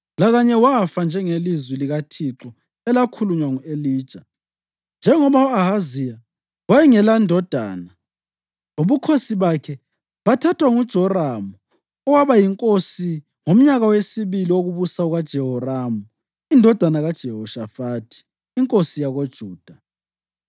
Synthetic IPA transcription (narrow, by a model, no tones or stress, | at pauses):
laɣaɲɛwafand͡ʒʱɛŋelizwiliɣatʰiǁɔ | ɛlakʰuluɲwaŋueliːd̥ʒ̥ʱa | nd͡ʒʱɛŋɔβauahazija | wajɛŋɛlandʱɔd̥ʱa̰ːna | oβukʰosiβakʰɛ | βatʰatʰwaŋud̥ʒ̥ʱɔramu | ɔwaβajiŋkʼosi | ŋom̩ɲaɣawesiβilioɣuβusauɣad̥ʒ̥ʱɛɦɔramu | indʱɔd̥ʱanaɣad̥ʒ̥ʱɛɦɔʃafaːtʰi̥ː | ŋkʼosijaɣod̥ʒ̥ʱuːd̥ʱa